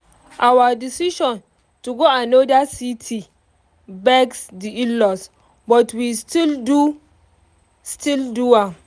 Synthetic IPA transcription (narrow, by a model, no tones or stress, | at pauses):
ʔawadisiʃɔ̃n | tuɡoanodasitʰi | bɛksdiilɔs | bɔtwistildu | stildua